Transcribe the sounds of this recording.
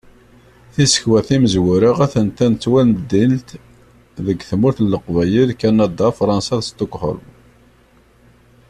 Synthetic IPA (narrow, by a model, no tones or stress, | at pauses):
θisə̥çwæθiməzwʊɾəʁæθənt̪ænt͡sːwænd̪ilt̪ | ðəɡθmʊɾθlːəqvæjiðkːænɑd̪ɑfɾˤɑnsɑðst̪okːħə̰ɾm